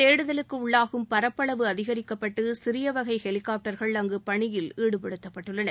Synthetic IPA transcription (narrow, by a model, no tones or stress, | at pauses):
eːɽɯðɐlɯkːɯʊɭːaːɣɯmpɐɾɐpːɐɭɐʋɯɐðɪɣɐɾɪkːɐpːɐʈːɯsɪɾɪjɐʋɐɣɐɪhɛlɪkːaːp̚ʈɐɾɣɐɭɐŋɡɯpɐɳɪjɪliːɽɯpɐɽɯt̪ːɐpːɐʈːɯɭːɐnɐɾ